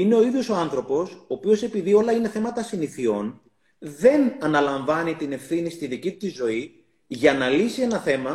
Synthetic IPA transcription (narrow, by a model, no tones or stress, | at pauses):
ine̞o̞iðjo̞so̞ɐnθɾo̞po̞soːpio̞se̞piðio̞lɐine̞θe̞mɐt̪ɐsiniθio̞n | ðe̞nɐnɐlɐɱvɐnit̪ine̞fθinist̪iðicit̪u̥t̪izo̞i | ʝɐnɐlisie̞nɐθe̞mɐ